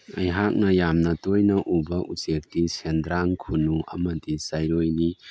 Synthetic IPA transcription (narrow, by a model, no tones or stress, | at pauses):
ɐjɦak̚nɐjamnɐtojnɐʔubɐʔut͡ʃek̚disendɾaŋkʰunuɐ̰mɐdisajɾojni